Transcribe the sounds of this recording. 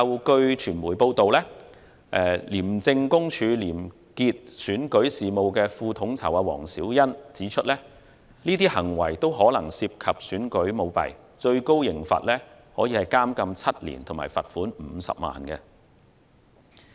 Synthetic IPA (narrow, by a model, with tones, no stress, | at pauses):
ɐ˨wkɵ˧ɥt͡ʃʰyː˨˩nmuː˨˩jpo˧wt̪o˨wlɛː˥ | ʔɛ˨˧liː˨˩mt͡sɪ˧ŋkʊ˥ŋt͡ʃʰyː˨˧liː˨˩m | kiː˧t̚syː˨˥nkɵ˨˥ɥsiː˨mo˨wkɛː˧fuː˧t̪ʰʊ˨˥ŋt͡sʰɐ˨˩wʔaː˧wɔ̰ː˨˩ŋsiː˨˥wjɐ˥nt͡siː˨˥t͡ʃʰɵ˥t̚lɛː˥ | niː˥t̪iː˥hɐ˨˩ŋwɐ̰˨˩jt̪o˥wɦɔː˨˥lɐ˨˩ŋsiː˧p̚kʰɐ˨p̚syː˨˥nkɵ˨˥ɥmo˨˧wpɐ̰˨˩j | t͡ʃɵ˧ɥko˥wjɪ˨˩ŋfa̰ː˨t̚lɛː˥hɔː˨˥jiː˧hɐ˨˩jkaː˥mkɐ˧mt͡sʰɐ˥t̚lḭː˨˩nt̪ʰʊ˨˩ma̰ː˨˩jfɐ̰˨t̚fuː˨˥nm̩˨˧sɐ̰˨p̚ma̰ː˨nkɛ̰˧